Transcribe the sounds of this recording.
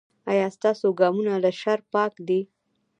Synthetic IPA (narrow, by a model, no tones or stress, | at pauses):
ɑjɑst̪ɑsoɡɑmunalaʃaɾpɑkd̪i